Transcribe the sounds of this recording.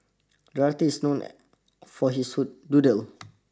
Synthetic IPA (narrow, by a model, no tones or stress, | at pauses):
dɹatiisnõn | fɔɦishududəl